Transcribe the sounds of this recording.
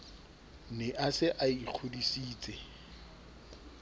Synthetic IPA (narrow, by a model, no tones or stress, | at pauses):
nɪʔasɪʔaiq͡χʰodisiːt͡sʼɛ